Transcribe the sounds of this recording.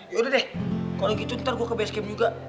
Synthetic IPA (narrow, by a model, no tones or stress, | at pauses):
jodɛdɛhkalɔɡit̪unt̪arɡuakəbɛskɛmd͡ʒuɡa